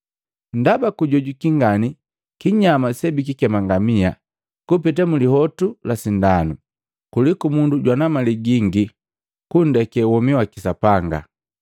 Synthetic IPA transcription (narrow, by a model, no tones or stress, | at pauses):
n̩dabakuɟɔɟukiŋɡani | kiɲamasɛbik̬ikɛmaŋɡamia | kupit̬amulihɔtulasindanu | kulikumunduɟwanamaliɡiŋɡi | kundɛkɛwɔmiwakisapaŋɡa̰